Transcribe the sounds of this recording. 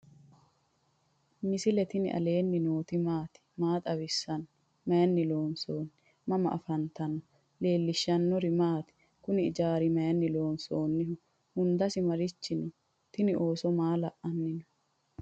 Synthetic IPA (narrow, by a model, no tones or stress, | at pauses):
mɪsɪlɛt̪ɪnɪ̰ʔɐ̰le̞ːnːɪno̞ːt̪ɪmaːt̪ɪ̥maːt̪ʼɐwɪsːɐn | mɐjɐnːɪlo̞ːnsoːnːɪ | mɐmɐ̰ʔɐfɐnt̪ɐnːɔ | le̞ːlːɪʃːɐnːɔɾɪmaːt̪ɪ̥ | kʊnɪɪd͡ʒaːɾɪmɐjɐnːɪlo̞ːnsoːnːɪɦʊ | hʊnd̪ɐsɪmɐɾɪt͡ʃːɪnɪ | t̪ɪnɪʔo̞ːsɔmaːlɐʔʔɐnːɪnɔ